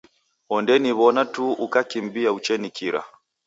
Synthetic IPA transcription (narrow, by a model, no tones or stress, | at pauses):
ɔndɛniβɔnatuʔukakimbiaut͡ʃɛnikiɾa̰